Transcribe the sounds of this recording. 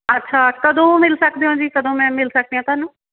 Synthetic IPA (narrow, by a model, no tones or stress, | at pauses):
ətːʃʰaːkəd̪õːmɪlsəkd̪eːɦõːd͡ʒiːkəd̪õːmɛ̃ːmɪlsək̚d̪eːɦãːt̪ʊaːnũː